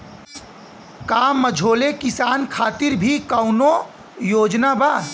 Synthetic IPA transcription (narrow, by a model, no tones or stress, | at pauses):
kaːmːəd͡ʒʱoːlekɪsaːnkʰaːt̪iɾbʱikəʊno | joːd͡ʒnabaː